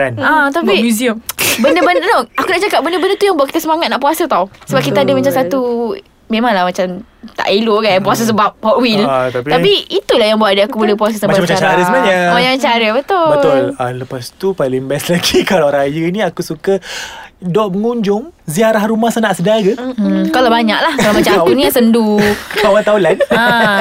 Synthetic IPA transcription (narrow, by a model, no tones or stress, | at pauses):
anat̪aimuziəmbəndəbəndənoakunaʔt͡ʃakap̚bəndəbəndət̪ujaŋbuaʔkit̪asəmaŋat̪̚naʔpuasət̪awsəbap̚kit̪aadəmat͡ʃamsat̪u | memãŋlahmat͡ʃam | t̪a̰ʔiloɡapuas̬əs̬əbap̚hɔʔwilt̪apiapiit̪ulahjaŋbuaʔdəakubulɛhpuas̬asəmabaaaaɾəsənaɲamaɲamt͡ʃaɾəbət̪ʊbət̪ʊələpast̪upalɪŋbɛslaɡikalaɾaajəniakusuka | dɔʔməŋuɲd͡ʒʊŋziaɾahɾumahsanaʔsədaɡəkalabaɲaʔlahkalamat͡ʃaaaakuniasəndukaat̪aulanə